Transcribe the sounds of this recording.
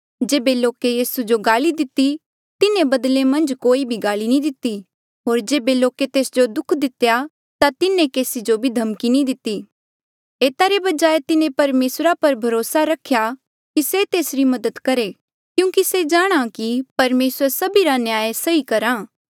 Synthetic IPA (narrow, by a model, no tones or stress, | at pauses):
d͡ʒeːbeloːkejiːsud͡ʒoɡaːlid̪ɪt̪ːi | t̪ɪnẽbɐd̪lemɐ̃nd͡ʒkoːibʱiɡaːlinĩd̪ɪt̪ːi | ɦoːɾd͡ʒeːbeloːket̪eːsd͡ʒod̪ʊkʰd̪ɪt̪ja | t̪at̪ɪnẽkeːsid͡ʒobʱid̪ʱɐmkinĩd̪ɪt̪ːiː | eːt̪aɾebɐd͡ʒaːet̪ɪnẽpɐɾmeːsɾapɐɾbʱɐɾoːsaɾɐkʰja | kiset̪eːsɾimɐd̪ət̪kɐɾe | kjũːkised͡ʒaːɽ̃akipɐɾmeːsəɾsɐbiɾanjaːjsɐikɐɾãː